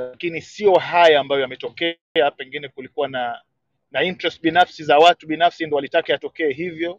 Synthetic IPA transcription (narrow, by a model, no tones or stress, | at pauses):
lakinisiɔɦajaːmbajɔjamɛtɔkɛ | apɛŋɡinɛkulikuwana | naintɾɛstɓinafsizawatuɓinafsindɔwalitakɛjatɔkɛːɦivjɔ